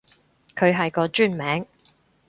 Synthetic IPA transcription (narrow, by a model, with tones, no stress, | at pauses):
kʰɵ˨˧ɥɦɐ˨jkɔː˧t͡ʃyː˥˩nmɛː˨˥ŋ